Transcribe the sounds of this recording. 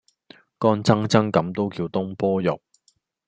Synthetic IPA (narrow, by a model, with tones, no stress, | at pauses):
kɔː˥nt͡sɐ˥ŋt͡sɐ˥ŋkɐ˨˥mt̪o˥wkiː˧wt̪ʊ˥ŋpɔː˥jʊ̰˨˩k̚